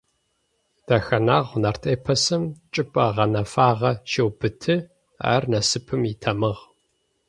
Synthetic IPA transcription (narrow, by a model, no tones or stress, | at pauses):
d̥ɐxɐnaːʁʷnɐrtʰʼeːpʰɐsɨmt͡ʃʼɪpʼɐʁɐnɐfaːʁɐʃewbɨtʰɨ | a̰ːrnɐsɨpʰɨmɪtʰɐmɨʁ